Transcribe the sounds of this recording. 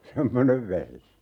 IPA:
semːoneʋ ʋehje

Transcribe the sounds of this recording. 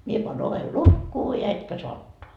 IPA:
mie pɑːn oʋel lukːuː jɑ etkæ soɑ otːoɑ

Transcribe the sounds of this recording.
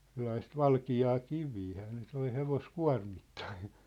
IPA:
selːɑist ʋɑlkiɑː kiʋiːhæː ne toi heʋoskuɑ̝rmitːɑin̞

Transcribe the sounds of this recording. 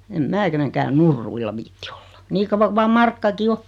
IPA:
em mæː keneŋkæːn nurːuilːɑ ʋiːtːi o̥l̥ːɑ̥ niː kɑʋːɑ ku ʋɑː mɑrkːɑki o

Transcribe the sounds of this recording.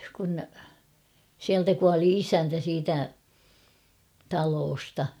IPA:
kun siæltæ kuɑli isæntæ siːtæ tɑloːstɑ

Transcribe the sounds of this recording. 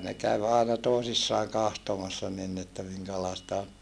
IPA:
ne kæʋ ɑˑenɑ toˑesisːɑːŋ kɑhtomɑsːɑ nin ni etːæ miŋkælɑestɑ on

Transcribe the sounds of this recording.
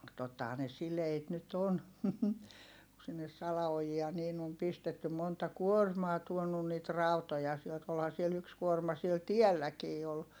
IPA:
totːɑhɑː ne sileit nyt on ku sinːes sɑlɑojiɑ niːn om pistetːy montɑ kuormɑː tuonun niːt rɑˑutojɑ sielt olhɑ siel yks kuormɑ siel tielːækiː ol

